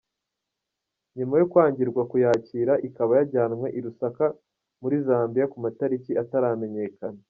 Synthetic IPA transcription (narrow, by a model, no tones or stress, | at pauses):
ɲumajo̞kwaːɲɟiɾɡwakujaːciːɾaʔikaβajaɾɟaːnmwe̞ʔiɾusaka | muɾizaːmbijakumataɾiciataɾame̞ɲe̞ːkana